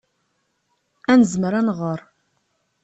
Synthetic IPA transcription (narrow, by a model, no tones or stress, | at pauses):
ænəzməɾænʁəɾˤ